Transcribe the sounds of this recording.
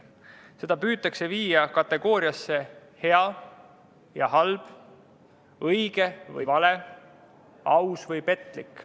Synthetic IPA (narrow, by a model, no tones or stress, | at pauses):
se̞d̪̥ɑpyːt̪ːˑɑkse̞viːjɑkɑt̪ːˑe̞ɡ̥o̞ːɾiɑsːe̞he̞ɑ | jɑhɑlb̥ | ɤjɡ̥e̞vɯ̰jvɑle̞ | ɑwsvɯjpe̞t̪ːˑlikːˑ